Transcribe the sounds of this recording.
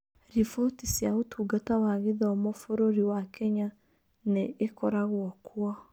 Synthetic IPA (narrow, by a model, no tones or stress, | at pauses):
ɾifotisjaotuːɡatawaɣeðɔmofoɾoɾiwakɛɲa | neːkɔɾaɣwɔkʰwɔ